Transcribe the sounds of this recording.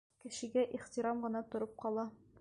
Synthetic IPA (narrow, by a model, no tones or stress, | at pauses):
kɘ̆ɕɘ̆ɡæʔiχt̪iɾɑmʁɤ̆nɑt̪ŏɾɤp̚qɒlˠɑ